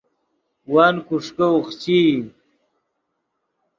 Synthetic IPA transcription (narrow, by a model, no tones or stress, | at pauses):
waːnkuʂkɐuxt͡ɕi